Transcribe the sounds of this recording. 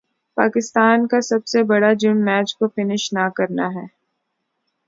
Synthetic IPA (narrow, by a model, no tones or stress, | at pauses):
pa̰ːkɪst̪aːnkasɐbsebɐɽad͡ʒʊmːɛːt͡ʃkofɪnɪʃnakɐɾnaɦɛː